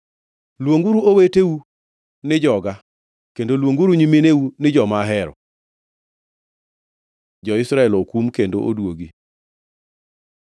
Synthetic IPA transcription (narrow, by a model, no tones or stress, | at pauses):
lwoŋɡuɾuoweteu | nɪd͡ʒɔɡa | kendolwoŋɡuɾuɲimeneunɪd͡ʒɔmaɦɛɾɔ̰ | d͡ʒɔɪsɾaɛlokumkendo̰ʔo̰dwoɡi